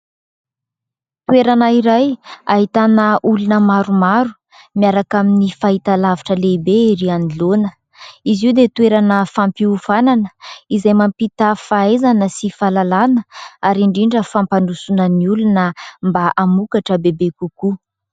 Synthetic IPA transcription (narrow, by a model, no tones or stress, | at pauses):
t̪ueɾanaiɾajaɦit̪anəʔulunəmaɾumaɾu | miaɾakaminifaɦit̪alaviʈ͡ʂəleibeiɾianilonə | iziwd̪et̪ueɾanəfampiufananəizajmampit̪əfaezanəsifalalanəaɾiɳɖ͡ʐiɳɖ͡ʐəfampanusunəniulunəmbaʔamukaʈ͡ʂəbebekuku